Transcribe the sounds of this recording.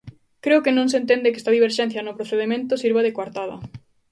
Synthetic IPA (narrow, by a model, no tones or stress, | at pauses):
kɾeokenõŋsent̪̬end̪ɪkest̪aðiβeɾʃɛn̟θjɐnʊpɾoθeðemẽnt̪ʊsiɾβaðekwaɾt̪aðɐ̰